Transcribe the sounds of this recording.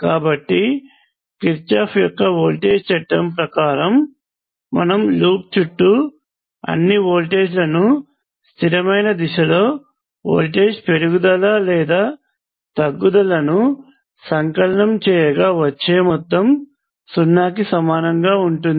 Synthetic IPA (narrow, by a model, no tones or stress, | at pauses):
kaːbɐʈːi | kiɾt͡ʃaːpjɔkːɐoːlʈe̞ːd͡ʒt͡ʃɐʈːɐmpɾɐkaːɾɐmː | ɐ̰nɐmluːp̚t͡ʃuʈːu | ɐ̰nːiʋoːlʈeːd͡ʒlɐnu | st̪ʰiɾɐmɐjnɐd̪iʂɐlo̞ː | o̰ːlʈe̞ːd͡ʒpe̞ɾuɡud̪ɐlaːlɛːd̪aː | t̪ɐɡːud̪ɐlɐnu | sɐŋkɐlɐɳɐmt͡ʃɛːjɐɡaːʋɐt͡ʃːe̞ːmɔt̪ːɐm | sunːaːkisɐmaːnɐŋɡaːuɳʈund̪i